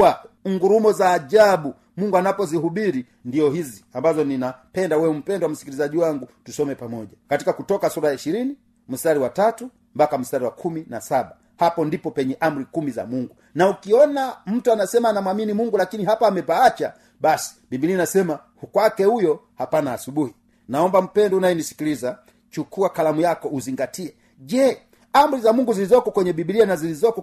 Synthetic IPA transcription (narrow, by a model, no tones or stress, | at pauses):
aŋɡuɾumɔzaːʄaɓu | muŋɡuanapɔziɦuɓiɾi | ndiɔhiziambazɔninapɛndawɛm̩pɛndwam̩si̥kilizaʄiwaŋɡutusɔmɛpamɔʄakati̥kakutɔkasuɾajaiʃiɾini | m̩staɾiwatatu | mbakam̩staɾiwakʰuminasaɓa | hapɔndipɔpɛɲɛʔam̩ɾikumiza̰muŋɡu | naukiɔnam̩tuanasɛmaːnamwaminimuŋɡulakiniɦapaːmɛpaat͡ʃa | ɓasi̥bibilianasɛma | hukwakɛhujɔ | hapanaːsuɓuhi | naɔmbam̩pɛndɔunajɛnisi̥kiliza | t͡ʃukuakalamujakɔuziŋɡatʰiɛ | ʄɛ | ambɾizamuŋɡuzilizɔkɔkwɛɲɛɓibilianazilizɔkɔ